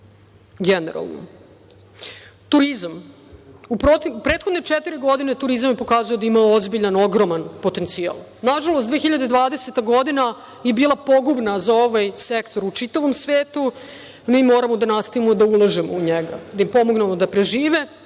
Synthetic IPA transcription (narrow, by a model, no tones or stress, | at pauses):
ɡenḛɾa̰lˠno̰ | t̪uɾizam | upɾot̪iupɾeːt̪xod̪ne̞ʈ͡ʂet̪iɾiɡo̞d̪inet̪uɾizamjepo̞kaːzujod̪aimaozbiʎano̞ɡɾo̞manpo̞t̪e̞nt̪sia̰lˠ | naʒalˠost̪d̪ʋeːxiʎad̪ed̪ʋaːd̪eset̪aɡo̞d̪ina | jebiːlˠapo̞ɡubnazaoʋajsekt̪o̞ɾut͡ʂit̪aʋo̞msʋeːt̪u | miːmoːɾamo̞d̪anast̪aʋimoid̪aulˠaʒemo̰uɲeɡa̰d̪ajimpo̞moɡnemod̪apɾeʒiːʋe